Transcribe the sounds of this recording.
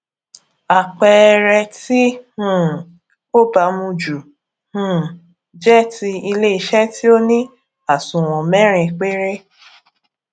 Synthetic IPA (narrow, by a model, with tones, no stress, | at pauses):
a˨k͡pɛ˧ɾɛ˧ti˦hũ˦˨ | o˦ba˨˧mũ˧d͡ʒu˨ | hũ˨ | d͡ʒɛ˦ti˧i˧le˦i˧ʃɛ˦ti˦o˦nĩ˦ | a˨sũ˨w̃ɔ̃˨mɛ̃˦ɾ̃ĩ˧k͡pe˦ɾe˦